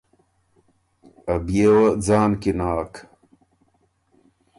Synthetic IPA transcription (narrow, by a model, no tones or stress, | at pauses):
ɐbijewɐd͡zaːnkinaːk